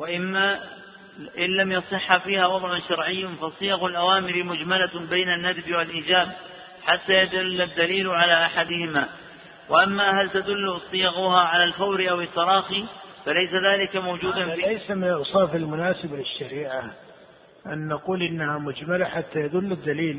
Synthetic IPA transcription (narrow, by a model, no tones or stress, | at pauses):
waʔɪmːa | ʔɪnːamjɑsˤɨħːafiːhawɑd̪ˤʕʊnʃɑɾˤʕɪjːanfɑsˤɨjɑɣʊlʔawaːmɪɾɪmʊd͡ʒmalabejnanːad̪bwalʔiːd͡ʒaːb | ħat̪ːajad̪ʊlːad̪ːaliːlʕalaʔaħad̪ɪhɪmaː | wɪʔamːahalt̪ad̪ʊlːsˤɨjɑɣʊhaʕalalfawɾʔawɪt̪ːɑɾˤɑːxifalajsaðaːlɪkamawd͡ʒuːd̪anlajsamɪnʔɑsˤɑːfɪlmʊnaːsɪblɪʃːaɾiːʕa | ʔanːaquːlʔɪnːahamʊd͡ʒmalaħat̪ːajad̪ʊlːɪd̪ːaliːl